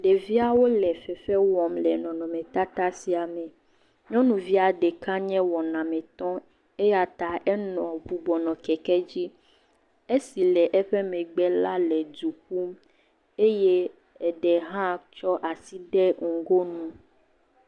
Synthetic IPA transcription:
ɖe˨vi˦a˦wo˦lɛ˨fɛ˨fɛ˦wɔ˨mlɛ˨nɔ̃˨nɔ̃˨mẽ˨t̪a˦t̪a˦si˨a˨mɛ̃˨ | ɲɔ̃˦nũ˨vi˦a˨ɖe˨ka˦ɲɛ̃˦wɔ˨nã˨mɛ̃˨t̪ɔ̃˦ | e˦ja˨t̪a˨ʔɛ˦nɔ̃˨bu˨bɔ˨nɔ̃˨kɛ˨kɛ˦d͡ʑi˦ | e˦si˨lɛ˨ʔɛ˦ɸe˦mɛ̃˨ɡ͡bɛ˦la˦lɛ˨du˨ku˦m | e˦je˦ | ɛ˨ɖɛ˨ɦã˦t͡ʃɔ˦ʔa˨si˦ɖɛ˦ŋ̩˨ɡo˦nũ˦

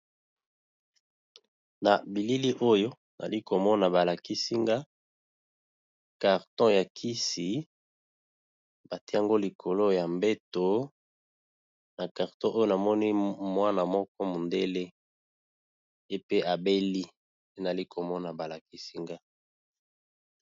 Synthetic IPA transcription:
na˨bi˨li˦li˦ʔo˦jo˦ | na̰˨li˦ko˨mɔ˦na˨ba˨la˨ki˦si˦ŋɡa˦ | ka˨ʁtɔ̃˦ja˨kʰi˦si˨ | ba˨ti˦a˦ŋɡo˦li˨kʰo˨lo˦ja˨mbe˦to˨˦ | na˨ka˨ʁtɔ̃˦ʔo˦jo˦na˨mɔ˦ni˦mwa˦na˨mɔ˦kɔ˦mo˨nde˦le˦ | e˦pe˦ʔa˨be˦li˦ | e˦na˨li˦kʰo˨mɔ˦na˨ba˨la˨ki˦si˦ŋɡa˦

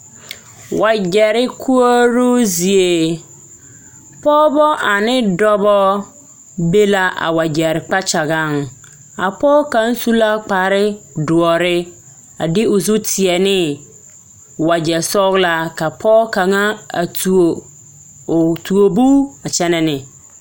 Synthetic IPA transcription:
wa˨d͡ʒɛ˨ɾɪ˦kʰu˦o˦ɾu˦zi˨e˨ | pɔ˦bɔ˦ʔa˨nɪ˦dɔ˦bɔ˦ | be˦la˦ʔa̰˨wa˨d͡ʒɛ˨ɾɪ˨k͡pa˦t͡ʃa˨ɣa˦˨ŋ | a̰˨pɔ˦ka˨˦n̩˦su˦la˦k͡pa˨ɾɪ˦dʊ˨ɔ˨ɾɪ˦ | a̰˨dɪ˦ʊ˨zu˦tʰɪ˨ɛ˨nɪ˦ | wa˨d͡ʒɛ˨sɔ˦ɣla˦ka˨pʰɔː˦ka˨ŋa˦a˨t | tʰu˨o˨bu˦a˨t͡ʃɛ˦nɛ˦nɪ˨

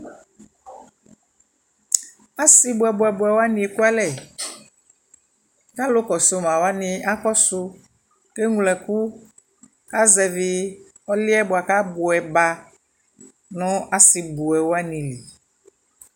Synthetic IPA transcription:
a˦si˨bʊ˨ɛ˨bʊ˨ɛ˨bʊ˨ɛ˨wa˦nĩ˨e˨ku˦a˦lɛ˨ | ka˦lo˦kɔ˨so˦mã˨wa˦nɪ̃˨a˦kɔ˦sʊ˦ | ke˦ŋũ˨lɛ˨ku˦ | ka˦zɛ˨vi˨ | ɔ˦lɪ˦ɛ˦bʊ˨a˨ka˦bo˨ɛ˨ba˨ | nɔ̃˦a˦si˨bu˨ɛ˨wo˦a˦nĩ˨li˨

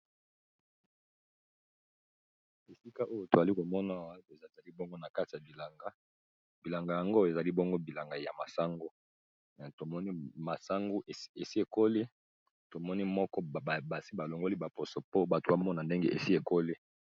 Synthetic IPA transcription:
e˨si˦ka˦ʔo˦jo˦to˨za˨li˦ko˨mɔ˦na˦˨wa˦e˨zza˨li˦bɔ˦ŋɡo˦na˨ka˦ti˨ja˨bi˨la˨ŋɡa˦ | bi˨la˨ŋɡa˨ja˨ŋɡo˦e˨za˨li˦bɔ˦ŋɡo˦bi˨la˨ŋɡa˨ja˨ma˨sa˦ŋɡo˦ | n˨to˨mɔ˦ni˦ma˨sa˦ŋɡo˦˨e˨si˦e˨ko˦le˦ | to˨mɔ˦ni˦mɔ˦kɔ˦˨ba˨si˦ba˨lo˨ŋɡo˦li˦ba˨po˨so˨po˦ba˨to˨ba˦mɔ˦na˨nde˦ŋɡḛ˦ʔḛ˨si˦e˨ko˦le˦

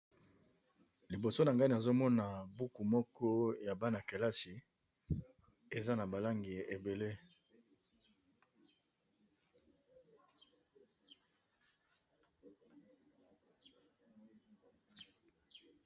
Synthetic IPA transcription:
li˨bo˨so˦na˨ŋɡa˦ni˨a˨zo˦mɔ˦na˨bu˦ku˨mɔ˦kɔ˦ja˨ba˦na˨ke˨la˦si˨ | e˨za˦na˨ba˨la˦ŋɡi˨e˨be˨le˦

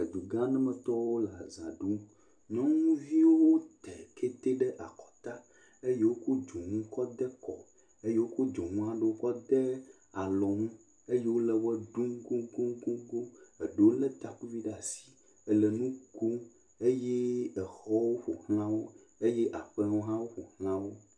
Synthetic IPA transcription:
e˨d̪u˨ɡã˦nɛ̃˦mɛ̃˨t̪ɔ˦wo˦la˨zã˨ɖu˦ | ɲɔ̃˦ŋũ˦vi˦wo˦wo˦t̪ɛ˨kʰe˦t̪e˦ɖɛ˦ʔa˨kɔ̥˨t̪a˦ | e˦je˦wo˦ko˦d͡ʒo˨ŋũ˦kɔ˦d̪ɛ˦kɔ̰˨ | e˦je˦wo˦ko˦d͡ʒɔ˨ŋũ˦a˨ɖe˦wo˦kɔ˦d̪ɛ˦ | a˨lɔ˨ŋũ˦ | e˦je˦wo˦lɛ˦wɛ˦ɖũ˦mɡũ˦ɡũ˦mɡũ˦ɡo˦ɛ˨ɖe˨wo˦lɛ˦t̪a˨ku˦vi˦ɖa˨si̥˨ | ɛ˨lɛ˨nũ˦ɡo˦ | e˦jɛ˦ɛ˨xɔ˦wo˦ɸo˨hlã˦wo˦ | e˦jɛ˦ʔa˨ɸɛ˦wo˦ɦã˦wo˦ɸo˨hl̃ã˦wo˦

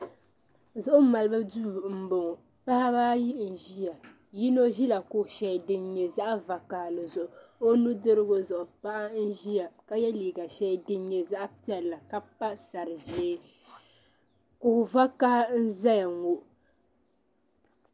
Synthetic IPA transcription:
zʊ˦ʔʊ˦ma˨lɨ˦bɨ˦duː˦˨m̩˨bo˨ŋɔ˨ | pa˦ha˦baː˦ji˦n̩˨ʒi˦ja˨ | ji˦no˦ʒi˦la˨kʊ˨hʃɛ˨dɨ˦nɲɛ˨za˦ʔa˦va˨kaː˦˨lɨ˨zʊ˨ʔʊ˨o˦nu˦dɨ˦ɾɨ˦ɡo˦zʊ˨ʔʊ˨pa˦ʔa˦n̩˦ʒi˦ja˨ka˦jɛ˦liː˨ɡa˨ʃɛ˦dɨ˦ɲɛ˨za˦ʔpi˦ɛ˦˨lːa˨ka˦pa˦sa˨ɾɨ˨ʒeː˦ | kʊ˨va˦kaː˦n̩˦za˦ja˨ŋo˦ʔ

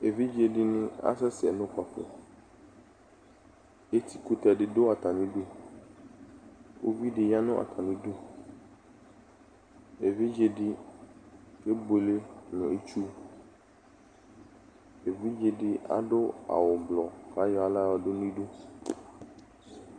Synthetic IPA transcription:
e˨vi˦d͡ʒe˨dɪ˦nɪ̃˦a̰˦sɛ˦sɪ˨ɛ˨nʊ̃˦ka˨fʊ̰˨ | e˦t̪ʰi˨ku˦t̪a˨dɪ˦dʊ˦a˨t̪a˨nĩ˦du˦ | wo̰˦vi˦dɪ˨ja˦nʊ̃˦ʔa̰˨t̪ʰa˨nĩ˦du˦ | e˨vi˦d͡ʒe˨dɪ˦ | e˦bo˨le˦nʊ̃˨e˦t͡ʃu˦ | e˨vi˦d͡ʒe˨dɪ˦a̰˦ɖʊ˦a̰˨wʊ˨blɔ˨ka˨˦jɔ˦a˦la˦wɔ˨dʊ˦n˦ĩ˦ɖu˦

